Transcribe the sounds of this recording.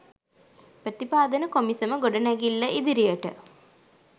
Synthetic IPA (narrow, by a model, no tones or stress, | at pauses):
prɐt̪ipaːd̪ɐnɐkomisɐmɐɡoɖɐnɐɡilːɐʔid̪iɾijɐʈɨ̰